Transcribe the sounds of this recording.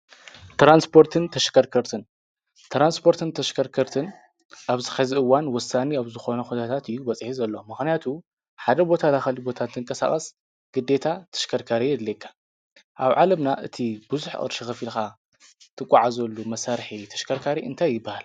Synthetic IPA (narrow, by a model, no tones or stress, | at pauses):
t̪ɾanspʰo̞ɾt̪ʰɨnt̪ʰɐʃkʰɐɾkʰɐɾt̪ʰɨn | t̪ʰɾanspʰo̞ɾt̪ʰɨnt̪ʰɐʃkʰɐɾkʰɐɾt̪ʰɨn | ʔaβzɨxɐziʔɨwːanwɔsːaniaβzɨxo̞nɐxut̪ʰat̪ʰat̪jːubɐt͡sʼħizɐlːomɨxnijat̪ʰu | ħad̪ɐbo̞t̪ʰalaxɐlibo̞t̪ʰat̪ʰːɨŋkʼɐsa̰χʼɐs | ɡ̥ɨd̪ːe̞t̪ʰat̪ʰɐ̥ʃkʰɐɾkʰaɾijɛd̪lekʰːḁ | ʔaβʕalɐmnaʔɨ̰t̪ʰibɨzuħʔʼɐ̰ɾʃixɐfilxa | t̪ʰɨkʼːaʕazɐlːumɐsaɾħit̪ʰɐ̥ʃkʰɐɾkʰaɾiɨ̰nt̪ʰajːɪbːahal